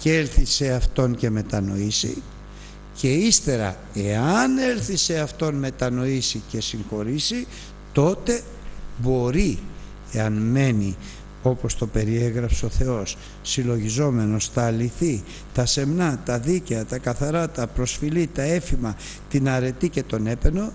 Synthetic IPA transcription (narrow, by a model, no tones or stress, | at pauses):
celθise̞ɐft̪o̞nce̞me̞t̪ɐno̞isḭ | ce̞ist̪e̞ɾɐ̰ | e̞ɐne̞lθise̞ɐft̪o̞nme̞t̪ɐno̞isice̞siŋxo̞ɾisi | t̪o̞t̪e̞ | bo̞ɾi | eɐnme̞ni | o̞po̞st̪o̞pe̞ɾie̞ɣɾɐpseo̞θe̞o̞sː | ilo̞ʝizo̞me̞no̞sθɐliθi | t̪ɐse̞mnɐt̪ɐðiceɐt̪ɐkɐθɐɾɐt̪ɐpɾo̞sfilit̪ɐe̞fimɐ | t̪inɐɾe̞t̪ice̞t̪o̞ne̞pe̞no̞